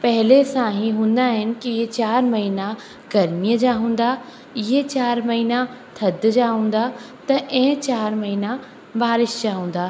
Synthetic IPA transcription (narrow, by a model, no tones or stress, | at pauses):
pɐɦɪlesãɦĩɦũːnd̪aːɦɪnɪ̆kiɪɦet͡ɕaːɾmɐɦiːna | ɡɐɾmijəd͡ʑaːɦũːn̆d̪a | ɪɦet͡ɕaːɾmɐɦiːna | t̪ʰɐd̪d͡ʑaːɦũːn̆d̪a | t̪ɐʔɛ̃ɦt͡ɕaːɾmɐɦiːna | baːɾɪʃd͡ʑaːɦũːn̆d̪aː